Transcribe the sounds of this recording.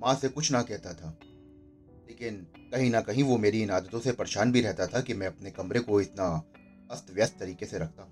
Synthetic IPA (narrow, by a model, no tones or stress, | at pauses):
mãːsekʊt͡ʃʰnɐkɛɦt̪at̪ʰaː | leːkɪn | kɐɦĩnɐkɐɦĩʋomeːɾiɪnaːd̪ət̪õsepɐɾʃaːnbʱiɾɛɦt̪at̪ʰakimɛ̃ɐpnekɐmɾekoɪt̪na | ɐst̪ʋjəst̪ːɐɾiːkeseɾɐk̚ʰt̪ãː